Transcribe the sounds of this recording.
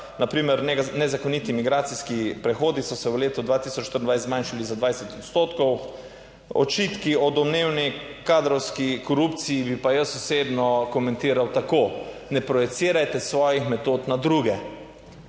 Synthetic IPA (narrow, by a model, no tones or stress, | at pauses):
napɾiːmɛɾnɛnɛzakɔnit̪imiɡɾaːt̪siskipɾɛxoːd̪isɔsɛwleːt̪ɔd̪ʋaːt̪isɔt͡ʃːt̪əɾənd̪ʋajszmãjnʃalizad̪ʋajsɛt̪ɔt̪st̪oːt̪kɔw | ɔ̰t͡ʃit̪kiɔd̪ɔmneːwnikaːd̪ɾɔwskikɔɾupt̪sijibipajəsɔsebnɔkɔmɛnt̪iːɾawt̪akoːnɛpɾɔjɛsiːɾajt̪ɛsʋɔːjixmɛt̪oːt̪nad̪ɾuːɡɛ